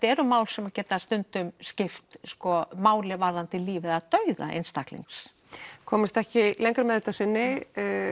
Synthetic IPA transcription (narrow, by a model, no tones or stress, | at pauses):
t̪ɛɾʏmaːwlsɛmacɛːt̪ast̪ʏnt̪ʏmscɪft̪skɔmaːwlɪvaɾːant̪ɪliːvɪðaðt̪œɥða̰ʔḛjnst̪ahklḭŋks | kʰɔːmɪst̪ɛhcɪlejŋkɾamɛðɛht̪asɪnːɪ